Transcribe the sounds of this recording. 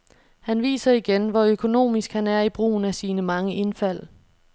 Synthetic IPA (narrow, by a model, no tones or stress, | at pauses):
hænʋḭːsɐiɡ̥enʋɒøkʰo̝no̝̰ːmisɡ̥hænæɐib̥ʁṵːn̩æsiːnəmɑ̈ŋəʔe̝nfæl̰